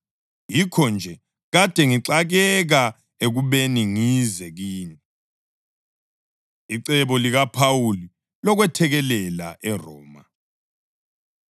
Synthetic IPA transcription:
jikʰɔnd͡ʒʱɛ | ɣad̥ʱɛŋiǁaɣɛɣa | eɣuβeniŋizɛɣiːni | iǀɛβɔliɣapʰawuli | lɔɣwɛtʰɛɣɛlɛla̰ʔɛrɔːma

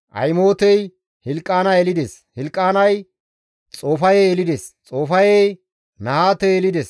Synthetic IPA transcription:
ʔɐ̰jmo̞ːt̪ɛj | hɪlkʼːaːnɐɛlɪd̪es | hɪlkʼːaːnɐj | t͡sʼo̞ːfɐjeːlɪd̪est͡sʼoːfɐje | nɐhaːt̪ːɛːlɪd̪ɛs

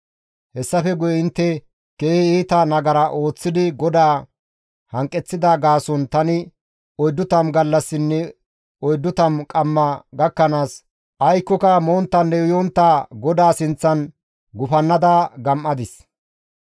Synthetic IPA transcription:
hɛsːɐfɛɡʊjɛɪnt̪ːɛ | keːhɪiːt̪ɐnɐɡɐɾɐʔo̞ːt͡sːɪd̪ɪɡɔd̪aː | hɐŋkʼːɛt͡sːɪd̪aɡaːsɔnt̪ɐnɪ | ɔjd̪ːʊt̪ɐmɡɐlːɐsːɪnːɛ | ɔjd̪ːʊt̪ɐmkʼɐmːɐɡɐkːɐnaːs | ʔɐjkːɔkɐmoːnt̪ːɐnːɛʊjɔnt̪ːaːɡɔd̪aːsɪnt͡sːɐn | ɡʊfɐnːɐd̪aɡɐmʔːɐd̪ɪs

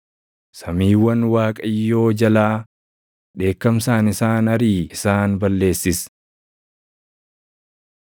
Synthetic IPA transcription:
sɐmiːwɐnwaːkʼɐjːo̞ːd͡ʒɐlaː | ᶑe̞ːkːɐmsaːnɪsaːnɐɾiːɪsaːnbɐlːe̞ːsːɪs

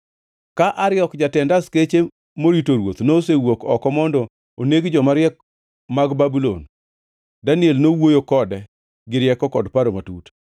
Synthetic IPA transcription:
kaʔaɾɪɔkd͡ʒatɛndasket͡ʃe | moɾitoɾwot̪nosewokɔkɔmɔndɔ | oneɡd͡ʒɔmaɾjɛk | maɡbabulo̰n | danɪelnowojokɔdɛ | ɡɪɾjɛkɔkɔdpaɾomatut

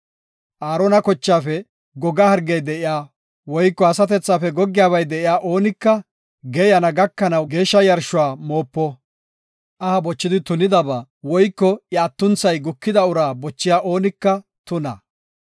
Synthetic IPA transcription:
ʔaːɾɔnɐkɔt͡ʃːaːfɛ | ɡɔɡɐhɐɾɡɛjd̪ɛʔɪjaː | wɔjkːɔɐsɐt̪̬ɛt͡sːaːfɛɡɔɡːɪjaːbɐjd̪ɛʔɪjaːʔo̞ːnɪkːɐ | ɡɛjɐnɐɡɐkːɐnɐwɡe̞ːʃːɐjɐɾʃʊwaːmoːpːɔ | ʔɐhɐbɔt͡ʃːɪd̪ɪt̪ʊnɪd̪ɐba | wɔjkːɔjaːt̪ːʊnt͡sɐjɡʊkːɪd̪ɐʊɾaːbɔt͡ʃːɪjaːʔo̞ːnɪkːɐt̪ʊnɐ̰

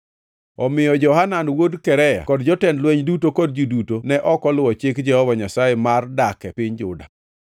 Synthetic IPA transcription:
ɔmɪjɔd͡ʒɔhananwodkɛɾɛja̰kɔdd͡ʒɔtɛndlweɲdutokɔd̚d͡ʒidutonɛʔɔkɔlʊwɔt͡ʃɪkd͡ʒɛhɔvaɲasajemardakɛpɪɲd͡ʒʊ̰da̰

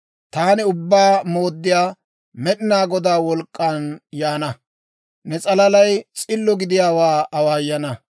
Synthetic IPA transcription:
t̪aːnɪʊbːaːmoːd̪ːɪjaː | mɛɗɪnaːɡɔd̪aːwɔlkʼːanjaːnɐ | nɛt͡sʼɐlɐlɐjt͡sʼɪlːɔɡɪd̪ɪjaːwaːɐwaːjːɐnɐ

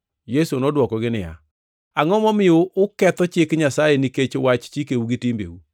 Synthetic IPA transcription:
jesonɔdwɔkɔɡɪnɪja̰ | aŋɔmɔmɪoʔʊkɛt̪ɔt͡ʃɪkɲasajeniket͡ʃowat͡ʃt͡ʃikeuɡɪtimbḛu

